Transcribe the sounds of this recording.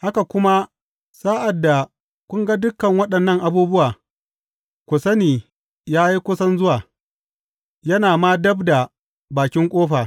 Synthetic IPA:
ha˦ka˨kʷʊ˦ma˦ | saː˦ʔa˨dːa˨ | kʷʊ˦ŋɡa˦dʊ˦kːɐ˨ŋwɐ˦ɗɐ˨nːɐ˦˨ŋʔa˨buː˦bʊ˦waː˨ | kʷʊ˨sɐ˦niː˨ | jaː˦ji˦kʷʊ˦sɐ˦nzʊ˦waː˨ | jɐ˦naː˨maː˦dɐ˦bda˨ | baː˨kʲɪ˦ŋkʷʼoː˦ɸaː˨

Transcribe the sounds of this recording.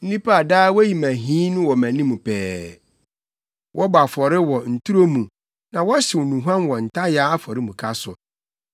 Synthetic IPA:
n̩˦nĩ˦pa˦a˨daː˦wji˨mæ̃˨ɦĩ˦nʊ̃˦wɔ˨mæ̃˨nĩ˦mũ˨pʰɛː˨˦ | wʔɔ˦ba˨fɔ˨ɾɪ˦wɔ˨n̩˨tʰu˦ɾo˦mũ˨ | nã˨wɔ˦ɕɪ˨wɔ˨nũ˨ɦã˦nwɔ˨n̩˨tʰa˦jaː˦a˦fɔ˨ɾɪ˦mũ˨kʰa˦sʊ˨

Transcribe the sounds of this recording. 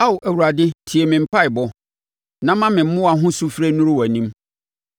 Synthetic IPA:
a˦wʊ˨ʔæ˨wu˨ɾa˨dɪ˦tʰi˨e˨mɪ̃˨m̩˨pʰa˦ɪ˨bɔ˦ | nã˦mã˦mɪ̃˨m̩˦ʊ̃˦a˨ɦʊ̃˦su˦fɾe˦nʊ̃˦ɾʊ˦wɔ˨nĩ˦m

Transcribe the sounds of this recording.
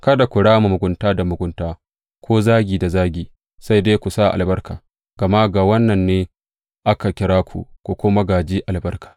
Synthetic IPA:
kɐ˦da˨kʷʊ˨ɽaː˦mu˨mʊ˨ɡʷʊ˦ntaː˦da˨mʊ˨ɡʷʊ˦ntaː˦ | kʷʰoː˦zaː˦ɡʲiː˨da˨zaː˦ɡʲiː˨ | sa˦jdeː˦kʷu˨sa˦˨ʔa̰˨lbɐ˦rka̰ː˨ | ɡ̥ɐ˨ma˦ɡa˨wɐ˦nːɐ˨nːeː˦ | ʔa˦ka˨kʲɪ˦ɾaː˦kʷʰṵ˨kʷu˨kʷʊ˦ma˦ɡaː˨d͡ʒiː˦ʔa˨lbɐ˦rkḁː˨

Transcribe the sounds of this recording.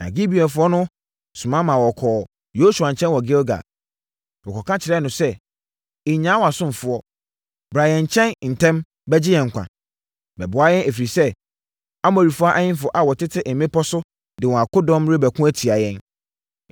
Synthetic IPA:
na̰˨ɡi˦bi˨ɛ˨fʊ˦ɔ˦nʊ̃˦ | sʊ˨mã˦mã˨wɔ˨kʰɔː˨ | jo˦su˨ã˨ɲ̩˨t͡ɕʰɛ̃˦nwɔ˨ɡɪ˦lɡa̰˨ | ɔ˨kʰɔ˨kʰã˦t͡ɕʰɪ˨ɾɛ˦nʊ̃˨sɛ˦ | ɪ˨˦ɲã˨˦wa˨sʊ̃˦m˨fʊ˨˦ɔ˦ | bɾa˨jɛ̃˨ɲ˨t͡ɕʰɛ̃˦nn̩˨tʰɛ̃˦m | bɛ˦d͡ʑɪ˦jɛ̃˨ŋ̩˨kʷʰã̰˨ | bɛ̰˨bʊ˨a˨jɛ̃˦næ˨fi˨ɾi˨sɛ˦ | a˦mɔ˨ɾi˨fʊ˦a˦ʔa˦ɲɪ̃˦n˦fʊ˨ɔ˦ʔa˨wɔ˨tɪ˦tʰɪ˦ʔɛ˨˦mẽ˦pɔ˦sʊ˦ | dɪ˨wɔ̃˨a˨kʰʊ˦dɔ̃˦mɾe˦bæ˨kʰũ˦æ˦tʰi˨a˨jɛ̃˦n

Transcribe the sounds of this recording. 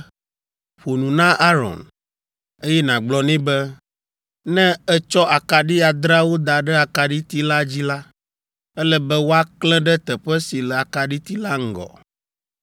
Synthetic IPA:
ɸo˨nũ˨nã˦ʔa˦ɾɔ̰̃˨n | e˦jɛ˦nã˨ɡ͡blɔ˨nĩ˦bɛ˦ | nɛ̃˦ɛ˦t͡ʃɔ˦a˨ka˨ɖi˦a˨d̪ɾa˦wo˦d̪a˨ɖɛ˦a˨ka˨ɖi˦t̪i˦la˦d͡ʑi˦la˦ | ɛ˦lɛ˦bɛ˦wo˦a˦klɛ̃˦ɖɛ˦t̪ɛ˨ɸɛ˦si˨lɛ˨a˨ka˨ɖi˦t̪i˦la˦ŋ̩˦ɡɔ̰˨

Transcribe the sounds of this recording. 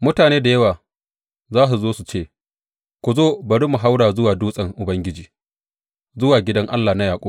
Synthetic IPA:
mʊ˦taː˨neː˦da˨jɐ˦waː˨ | zaː˦su˨zoː˦su˨t͡ʃeː˦˨ | kʷu˨zoː˦bɐ˨ɽi˦mʊ˨ɦa˦wɽaː˨zʊ˦waː˨duː˦sʼɐ˨ŋʔʊ˨bɐ˦ŋɡʲɪ˦d͡ʒiː˨ | zʊ˦waː˨ɡʲɪ˦dɐ˦ŋʔa̰˦lːa˨na˦jaː˨kʷʼoː˦

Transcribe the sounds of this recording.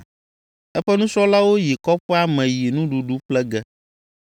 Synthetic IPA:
ɛ˦ɸɛ˦nũ˦sɔ˦la˦wo˦ji˨kɔ˦ɸɛ˦a˦mɛ̃˨ji˨nũ˦ɖu˨ɖu˦k͡plɛ˦ɡɛ˦

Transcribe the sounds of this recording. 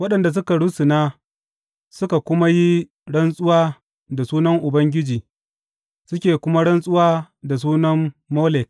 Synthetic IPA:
wɐ˦ɗɐ˨nda˨s̬ʊ˦ka˨ɽu˦su˨naː˦ | sʊ˦ka˨kʷʊ˦ma˦ji˦ | ɽɐ˦nsʼʊ˦waː˦ | da˨suː˦nɐ˦ŋʔʊ˨bɐ˦ŋɡʲɪ˦d͡ʒiː˨ | sʊ˦kʲeː˨kʷʊ˦ma˦ɽɐ˦nsʼʊ˦waː˦ | da˨s̬uː˦nɐ˦mːoː˦lɛ˨k̚

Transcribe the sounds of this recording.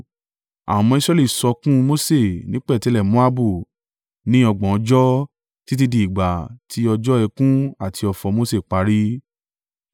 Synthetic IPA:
a̰˨mɔ̃˧i˧sɾɛ˧li˦˨sɔ˨˧kũ˦mo˦se˦˨nĩ˨˦k͡pɛ˦˨tɛ˨˧lɛ˦˨mõ˦a˦bu˦˨ | nĩ˦ɔ˧ɡ͡bɔ̃˨ɔ˧d͡ʒɔ˦ | ti˦t̬i˧di˧˨i˨ɡ͡ba˨tʰi˧ɔ˧d͡ʒɔ˦ɛ˧kũ˦a˦˨tʰi˧ɔ˨fɔ˨˧mo˦se˦˨k͡pa˨˦ɾi˦

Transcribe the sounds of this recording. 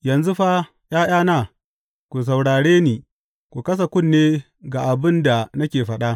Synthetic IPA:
jɐ˨nzu˦ɸa˦ | j̰aː˦j̰aː˦naː˦˨ | kʷu˨s̬ɐ˨wɽaː˨ɽeː˦niː˨ | kʷu˨kɐ˦s̬a˨kʷʊ˦˨nːeː˦ | ɡa˨ʔa˨bɪ˦nda˨nɐ˦kʲeː˨ɸɐ˦ɗa˦

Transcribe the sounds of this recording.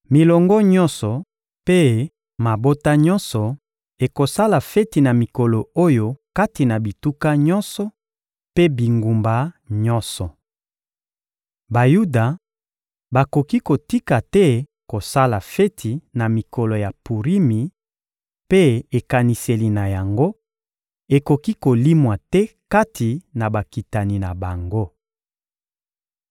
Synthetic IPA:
mi˨lɔ˨ŋɡɔ˦ɲɔ̃˦nsɔ˨ | pe˦ | ma˨bo˦ta˦ɲɔ̃˦nsɔ˨ | e˨ko˨sa˦la˨fɛ˦ti˨na˨mi˨kɔ˨lo˨o˦jo˦ka˦ti˨na˨bi˨tu˦ka˦ɲɔ˦nsɔ˨ | pe˦bi˨ŋɡu˨mba˦ɲɔ˦nsɔ˨ | ba˨ju˦da˨ | ba˨ko˨ki˦ko˨ti˦ka˨tɛ˦ko˨sa˦la˨fɛ˦tʰi˨na˨mi˨kɔ˨lɔ˨ja˨pu˨ʁi˦mi˨ | pe˦e˨ka˨ni˨se˨li˨na˨ja˨ŋɡo˦ | e˨ko˨ki˦ko˨li˦mwa˨tɛ˦ka˦tʰi˨na˨ba˨ki˨ta˨ni˨na˨ba˨ŋɡo˦

